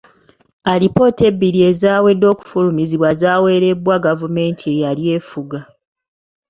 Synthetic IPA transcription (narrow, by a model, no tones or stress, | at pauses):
alipo̞ːte̞bːiɾie̞zaːwe̞dːo̞ːku̥fulumiziβwazaːwe̞ːɾe̞bwaɡavume̞ːntʰie̞jalje̞ːfuɡa